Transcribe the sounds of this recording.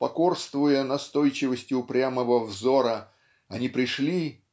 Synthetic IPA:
pɐko̞rst̪vʊjənɐst̪o̞jt͡ɕɪvəsʲtʲɪʊpɾʲaməvəvzo̞ɾə | ɐnʲipɾʲɪʂlʲi

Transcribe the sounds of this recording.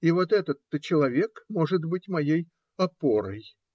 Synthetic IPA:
ivo̞t̪ɛt̪ət̪ːət͡ɕɪlˠɐvʲe̞kmo̞ʐɨt̪bɨtʲmɐjej | ɐpo̞ɾə̰j

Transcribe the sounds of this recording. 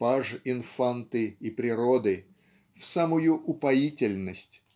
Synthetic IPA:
paʐɪnfant̪ɨipɾʲɪɾod̪ɨ | fsamʊjʊʔʊpɐitʲɪlʲnəsʲtʲ

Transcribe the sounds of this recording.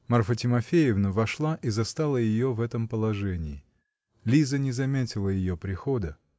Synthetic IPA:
mɐrfətʲɪmɐfʲejɪvnəvɐʂlˠaʔizɐst̪alˠəjɪjovɛt̪əmpəlˠɐʐɛnʲɪː | lʲizənʲɪzɐmʲetʲɪlˠəjɪjopɾʲɪxod̪ə

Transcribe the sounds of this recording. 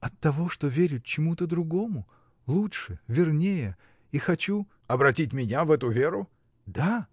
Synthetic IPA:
ɐt̪ːɐvo̞ʂt̪o̞vʲeɾʲʊt̪̚t͡ɕɪmut̪əd̪ɾʊɡo̞mʊ | lˠuʂɨvʲɪrnʲejə | ixɐt͡ɕu | ɐbɾɐtʲitʲmʲɪnʲavɛt̪ʊvʲeɾʊ | d̪a

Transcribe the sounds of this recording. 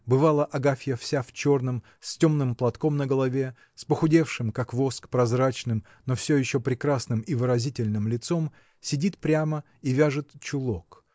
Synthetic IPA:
bɨvalˠəʔɐɡafʲjəfsʲaft͡ɕo̞rnɨm | sʲtʲo̞mnɨmplˠɐt̪ko̞mnəɡəlˠɐvʲe̞ | spəxʊdʲe̞fʂɨmkakvo̞skpɾɐzrat͡ɕnɨm | nofsʲɵjɪɕːopɾʲɪkɾasnɨmivɨɾɐzʲitʲɪlʲnɨmlʲɪt̪so̞m | sʲɪdʲit̪pɾʲamə | ivʲaʐɨt̪t͡ɕʊlˠo̞k

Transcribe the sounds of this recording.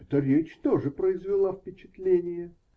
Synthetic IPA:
ɛt̪əɾʲet͡ɕt̪oʐɨpɾəɪzvʲɪlˠafpʲɪt͡ɕɪt̪lʲenʲɪjə

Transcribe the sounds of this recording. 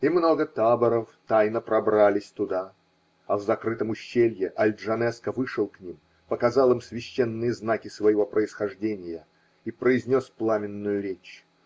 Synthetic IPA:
imno̞ɡət̪abəɾəft̪ajnəpɾɐbɾalʲɪsʲt̪ʊd̪a | ɐvzɐkɾɨt̪əmʊɕːelʲjɪʔɐlʲd̪ʐɐnɛskəvɨʂɨlˠknʲim | pəkɐzɑlˠɨmsvʲɪɕːenːɨjəznakʲɪsvəjɪvo̞pɾəɪsxɐʐdʲenʲɪjə | ipɾəɪzʲnʲo̞splˠamʲɪnːʊjʊɾʲet͡ɕ

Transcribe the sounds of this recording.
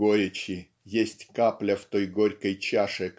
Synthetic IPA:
oɾʲɪt͡ɕɪ | jesʲtʲkaplʲəft̪ojɡoɾʲkəjt͡ɕaʂɨ

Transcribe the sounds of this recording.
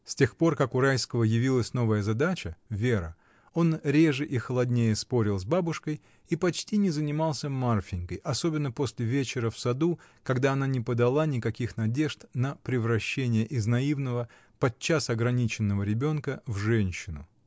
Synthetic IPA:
sʲtʲe̞xpo̞rkakʊɾajskəvəjɪvʲilˠəsʲno̞vəjəzɐd̪at͡ɕəvʲeɾə̰ | o̞nɾʲe̞ʐɨʔixəlˠɐdʲnʲejəspo̞ɾʲɪlˠzbabʊʂkəj | ipɐt͡ɕtʲinʲɪzənʲɪmalˠsʲəmarfʲɪŋʲkəjʔɐso̞bʲɪnːəposʲlʲɪvʲet͡ɕɪɾəfsɐd̪ukɐɡd̪aɐnanʲɪpəd̪ɐlˠanʲɪkɐkʲixnɐdʲe̞ʐt̪nəpɾʲɪvɾɐɕːenʲɪjəʔɪznɐivnəvə | pɐt͡ɕːasɐɡɾɐnʲit͡ɕɪnːəvəɾʲɪbʲo̞nkəvʐɛnʲɕːɪnʊ

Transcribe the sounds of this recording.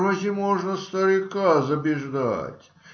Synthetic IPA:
məzʲɪmoʐnəst̪əɾʲɪkazəbʲɪʐd̪a̰tʲ

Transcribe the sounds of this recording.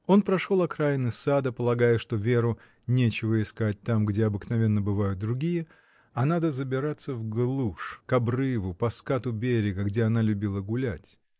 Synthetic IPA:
o̞npɾɐʂolˠɐkɾajɪnɨsad̪əpəlˠɐɡajəʂt̪ovʲe̞ɾʊ | nʲet͡ɕɪvəɪskat̚ʲt̪amɡdʲe̞ɐbɨknɐvʲe̞nːəbɨvajʊt̪̚d̪ɾʊɡʲijə | ɐnad̪əzəbʲɪɾat̪sːəvɡlˠuʂkɐbrɨvʊpɐskat̪ʊbʲeɾʲɪɡəɡdʲeɐnalʲʉbʲilˠəɡʊlʲætʲ

